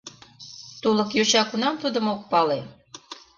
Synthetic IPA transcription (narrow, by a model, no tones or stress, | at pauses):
t̪ulˠɤ̆kjoɕɑkunɑmt̪ud̪ɤ̆mok̚pɑle